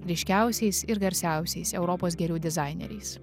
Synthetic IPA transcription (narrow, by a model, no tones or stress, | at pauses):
ɾʲɪʃʲkʲæˑʊsʲɛɪsɪɾɡɐɾʲsʲæˑʊsʲɛɪsɛʊɾɔpoːsɡʲɛɾʲuːd̪ʲɛzɑɪnʲɛ̰ɾʲɛ̰ɪs